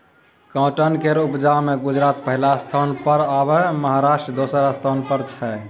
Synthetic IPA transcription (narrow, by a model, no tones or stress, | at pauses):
kãʈənkeɾupd͡ʒameɡud͡ʒɾat̪pəɦilast̪ʰanpəɾabeməɦaɾaʃʈɾd̪osəɾəst̪ʰanpəɾt͡ʃʰɛ